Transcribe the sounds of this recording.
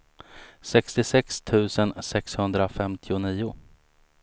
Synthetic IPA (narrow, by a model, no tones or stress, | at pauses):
sɛkst̪ɪsɛkst̪ʰʉ̟ːsənsɛkshɵnd̪ɾafɛmt̪ʰɪʊniːʊ